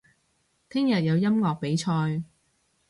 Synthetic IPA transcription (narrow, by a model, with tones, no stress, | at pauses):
t̪ʰɪ˥ŋjɐ˨t̚jɐ˨˧wjɐ˥mŋɔː˨k̚pe˨˥jt͡ʃʰɔː˧j